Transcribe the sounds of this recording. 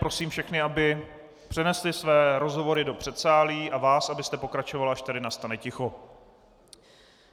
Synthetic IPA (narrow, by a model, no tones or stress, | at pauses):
pɾo̞siːmfʃɛxnɪabɪ | pr̥ɛnɛslɪsvɛːɾo̞zɦo̞vo̞ɾɪdo̞pr̝̥ɛt̪saːliːʔavaːsabɪst̪ɛpo̞kɾat͡ʃovalaʃt̪adɪnast̪anɛcɪxo̞